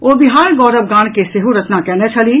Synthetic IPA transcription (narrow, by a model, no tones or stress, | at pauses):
oːbɪɦaːɾɡɔːɾəbɡãːɽ̃keseɦuɾɐt̪nakɛnet͡ʃʰɐli